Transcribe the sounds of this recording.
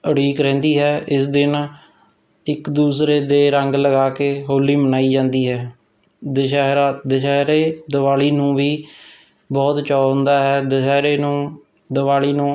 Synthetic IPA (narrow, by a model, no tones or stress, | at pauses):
əɽiːkɾɛ̃ːnd̪iːɦɛːʔɪs̬d̪ɪn | ɪkd̪uːsɾeːd̪eːɾəŋɡləɡaːkeːɦoːliːmənaːiːd͡ʒãːnd̪iːɦɛː | d̪əʃɛːɾad̪əʃɛːɾeːd̪əʋaːliːnũːʋiː | bɔːt̪t͡ʃɔːɦʊ̃nd̪aːɦɛːd̪əʃɛːɾeːnũː | d̪əʋaːliːnũː